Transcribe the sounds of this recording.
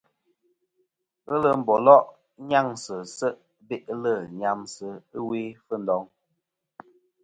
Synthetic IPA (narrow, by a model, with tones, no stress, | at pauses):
ə˦lə˦m̩˨bɔ˨lɔ˦ʔ | ɲa˦˨ŋsə˨sə˦ʔ | be˦ʔlə˦˨ɲa˨msə˦ɨ˦we˦fə˦n̩˦dɔ˨˦ŋ